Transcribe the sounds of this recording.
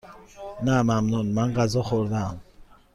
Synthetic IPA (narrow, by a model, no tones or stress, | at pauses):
namamnɔnmaŋɡazɔxɔɾnam